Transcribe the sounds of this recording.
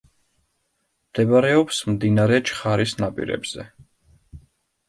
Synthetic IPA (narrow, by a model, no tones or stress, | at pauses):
md̪̥ɛbaɾɛɔpsmd̪inaɾɛt͡ʃʰχaɾisnapʼḭɾɛ̰bz̥ɛ̰